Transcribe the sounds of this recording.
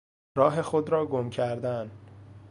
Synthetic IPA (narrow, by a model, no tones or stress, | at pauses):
ɾɒːɦe̞xod̪ɾɒːɡomcʰæɾd̪æn